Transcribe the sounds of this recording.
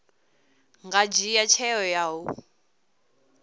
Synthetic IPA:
ŋɡad͡ʒijat͡ʃʰɛɔjaɦu

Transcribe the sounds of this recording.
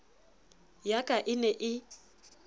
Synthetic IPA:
jakʼaʔɪnɛʔɪ

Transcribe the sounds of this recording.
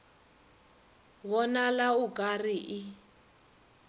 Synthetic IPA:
βɔnalauɡariʔi

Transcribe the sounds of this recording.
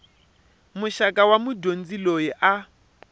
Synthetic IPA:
muʃakʼawamudʱond͡zilojiʔa

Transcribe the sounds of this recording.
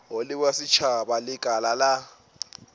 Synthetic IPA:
olɪkwasit͡ʃʰaɓalɪɡ̥ʱalala

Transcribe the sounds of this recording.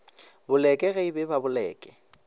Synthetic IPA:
bʊlɛkʼɛɣeibɛbabʊlɛːkʼɛ̥

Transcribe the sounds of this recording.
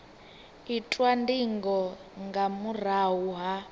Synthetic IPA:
itʼwandiŋɡɔŋɡamur̤aɦuɦa

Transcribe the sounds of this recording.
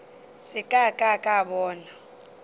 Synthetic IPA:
sɪkʼakʼakʼaɓɔːna

